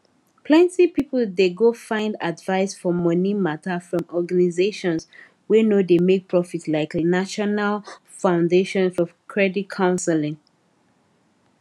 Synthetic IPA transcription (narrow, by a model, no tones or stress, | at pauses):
pʰlɛ̃ntipipl̩deɡofãɪ̃nda̰dvaɪsfɔmʌnimatəfɹɔ̃mɔɡanizeʃɔ̃ns | wenodemek̚pʰɹɔfitslaɪknaʃɔnal | fãʊ̃ndeʃɔ̃nfɔvkʰɹɛdit̚kʰãʊ̃nsɛlɪ̃ŋ